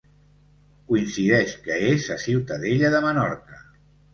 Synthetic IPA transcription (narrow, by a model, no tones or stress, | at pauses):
kuinsiðɛʃkəezəsiwt̪əðeʎəðəmənɔɾkə